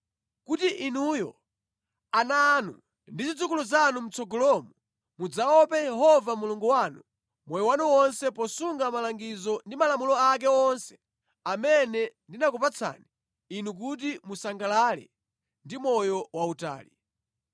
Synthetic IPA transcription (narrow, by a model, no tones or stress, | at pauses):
kutiʔinujɔ̰ | anaːnṵ | ndizid͡zukuluzanum̩t͡sɔɡɔlɔmu | mud͡zaɔpɛjɛɦɔvamuluŋɡuwanu | mɔjɔwanuwɔnsɛpɔsuŋɡamalaŋɡizɔndimalamulɔak̬ɛɔnsɛ̥ | amɛnɛndinakupat͡sʰa̰ni | inuk̬ut̬imusaŋɡalalɛ̰ | ndimɔjɔwauta̰ːli